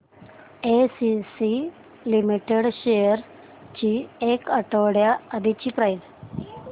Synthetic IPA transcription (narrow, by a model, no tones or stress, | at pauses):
esisi | limiʈeɽɕejəɾ | t͡ɕiekəʈəɽjaːd̪it͡ɕiːpɾajd